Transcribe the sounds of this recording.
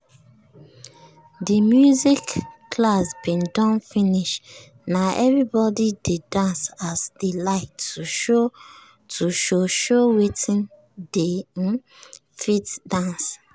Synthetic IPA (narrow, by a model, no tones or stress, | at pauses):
dimjuzikːʰlasbĩndɔ̃nfĩniʃ | naʔɛvɹibɔdidedãnsasdilaɪktuo | tuʃoʃowetĩn | dẽ | fitdãns